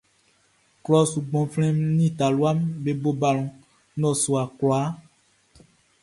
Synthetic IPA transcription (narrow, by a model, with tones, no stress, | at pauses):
klɔ˨su˨ɡ͡bɔ̃˨flɛ̃˦mnĩ˦˨t̪a˨lu˦a˦mbe˨bo˦ba˨l̃ɔ̃˨ | nɔ̃˦˨su˨a˨klɔ˨a˨˦